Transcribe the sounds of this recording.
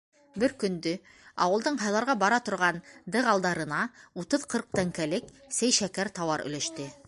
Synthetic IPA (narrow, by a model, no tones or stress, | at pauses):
bɘɾkɵ̆nd̪ɵ | ɑ̰wɤ̆lˠd̪ɤɴɦɑjlˠɑɾʁɑbɑɾɑt̪ŏɾʁɑnd̪ɤʁɑlˠd̪ɑɾɤ̆nɑut̪ɤðqʰɤɾq̚t̪æŋkælɘk | sæjʃækæɾt̪ɑwɑɾɵ̰̆læʃt̪ɘ